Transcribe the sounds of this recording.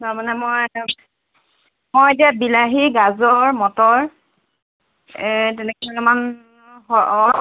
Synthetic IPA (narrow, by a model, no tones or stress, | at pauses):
taɹmanɛmoj | mojet̬iabilaɦiɡazɔɹmɔtɔɹ | tɛnɛkɛmanɔman | ɔ